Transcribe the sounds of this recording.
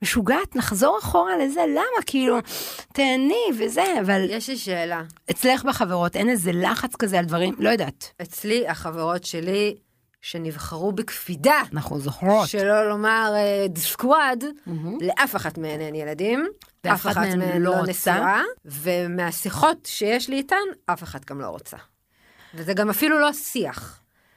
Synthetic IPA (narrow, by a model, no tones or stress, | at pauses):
meʃuɡaːt̪naχzo̞ʁaχo̞ʁalezelamakiiluteanivezeavaljeʃliʃeːlaet͡sleχbeχaveʁo̞tʔenezelaχat͡skazealdvaʁimlo̞jodaːtet͡sliaχaveʁo̞tʃeli | ʃenivχaʁubekfidanaχnuzoχʁoʃelolo̞maʁedskwad̩leʔafeχatmeanenjeladimveaffaanmelonesuaavemeasiχo̞tʃejeʃliːtanʔafeχatɡamlo̰ʁo̰t͡sa̰ | vezeɡamafilulo̞siaχ